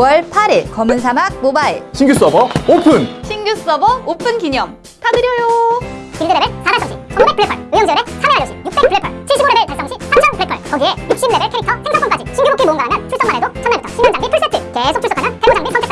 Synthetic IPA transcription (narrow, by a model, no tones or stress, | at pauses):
wʌɭpʰaɾiɭkʌmɯnsʰamaɡ̚mobaiɭɕʰiŋɡjus͈ɯʌbʌopʰɯnɕʰinɡjus͈ɯʌbʌopʰɯnkiɲʌm | tʰadɯɾjʌjokiɭdɯɾeɾɯsamaɭs͈ʌŋɕ͈ʰḭt͡ɕʰʌmobepɯɭːepʰʌɭɯjʌŋd͡ʑiʌɾesʰameaɭːjʌɕ͈ʰijuk̚p͈e̞k̚pɯɭːepʰʌɭt͡ɕʰiɭɕ͈ʰiboɾeɾɯɭpaɭs͈ʌŋɕʰisʰamt͡ɕʰʌnpɯɭːepʰʌ̰ɭkʌɡie̞juk̚ɕ͈imneɾɯɭkʰeik̚tʰʌsʰeŋsʰʌŋp͈ʰʌŋk͈ad͡ʑit͡ɕʰiŋɡubok͈ʰːimoɯnɡaɾɦamjʌnt͡ɕʰuɭs͈ʌŋmanedot͡ɕʰʌnebutʰʌiŋɡʌŋd͡ʑaŋbipʰuɭs͈etʰɯke̞sʰok̚t͡ɕʰus͈ʌkʰanɯntebod͡ʑaŋbisʰʌntʰekʰt͈ʰa